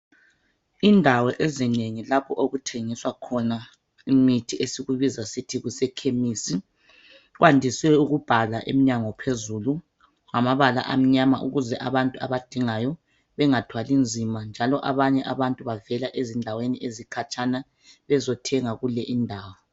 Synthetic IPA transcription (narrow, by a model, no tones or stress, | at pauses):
indʱawɔʔezineŋilapʰɔʔoɣutʰeŋiswakʰɔna | imitʰiʔesiɣuβizasitʰiɣusɛkʰemisi | ɣwandʱiswɛuɣub̥ʱalaʔḛmiɲaŋɔpʰezulu | ŋamaβala̰ʔam̩ɲama̰ʔṵɣuzɛʔaβantʼuaβad̥ʱiŋajɔ | βɛŋatʰwalind͡zʱimand͡ʒʱalɔʔaβaɲɛʔaβantʼuβavɛlaʔezindʱaweniʔezikʰat͡ʃʰʼana | βɛzɔtʰɛŋaɣulɛʔindʱaːwɔ